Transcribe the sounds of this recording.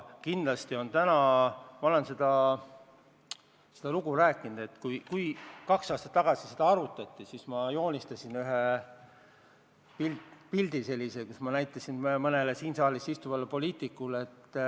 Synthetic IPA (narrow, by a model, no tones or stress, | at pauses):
kind̪lɑst̪io̞nt̪ænɑmɑo̞le̞nse̞d̪ɑ | se̞d̪̥ɑluɡ̥uɾæːkːˑinud̪̥e̞t̪ːkujkujkɑksɑːst̪ɑt̪ːɑɡ̥ɑsi̥se̞d̪̥ɑɑɾut̪ːˑɑt̪ːˑisismɑjo̞ːnʲist̪ɑsinyɦe | pilpild̪ise̞lːisekusmɑnæjt̪ːˑɑsinmmɤnelesiːnsɑːlisist̪uvɑlːepo̞liːt̪ˑikːulet̪ː